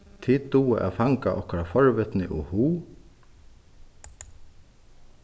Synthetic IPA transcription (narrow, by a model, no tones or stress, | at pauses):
t̪ʰɪt̪uːɪʔa̰faŋkaʔɔ̰hkaɾafɔɹʋɪt̪nɪʔuhuː